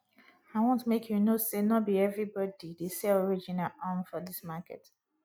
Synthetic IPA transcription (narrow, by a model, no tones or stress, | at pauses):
aɪwɔ̃ntmekʰjunosenɔt̚biɛvɹibɔdidesɛlɔɹid͡ʒĩnalʔãnfɔðismakɛ̰t